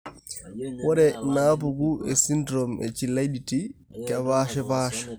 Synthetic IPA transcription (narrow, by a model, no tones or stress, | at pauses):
wɔɾɛnap̬uɡuɛsindɾɔmɛ̰t͡ʃilajditi | kaβaʃɛpaːʃɛ̥